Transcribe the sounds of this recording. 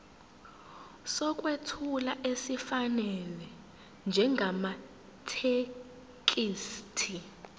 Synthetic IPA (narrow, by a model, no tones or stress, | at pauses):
sɔk̬ʼwetʰulaʔesifanɛlɛ | nd͡ʒʱɛŋɡʱama | tʰe | k̬ʼiːstʰi